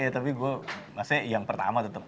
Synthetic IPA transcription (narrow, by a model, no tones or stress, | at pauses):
jat̪apiɡuɛmasejaŋpərt̪a̰mat̪ət̪əp̚